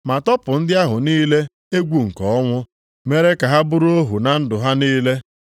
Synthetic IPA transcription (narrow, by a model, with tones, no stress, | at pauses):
ma˨tɔ˦pʊ˨n̩˦dɪ˦a˦ɦʊ˨niː˦le˦ | e˦ɡʷu˨ŋ̩˨kɔ˨ɔ˦ŋʷʊ˦ | me˦ɾe˦ka˨ɦa˦bʊ˦ɾo˦ɦu˨na˨n̩˦dʊ˨ɦa˦niː˦le˦